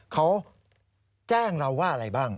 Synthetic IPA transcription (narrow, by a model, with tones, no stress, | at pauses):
kʰa˦˥w | t͡ɕɛː˥˩ŋɾa˧wːaː˥˩ʔa˧ɾa˧jbaː˥˩ŋ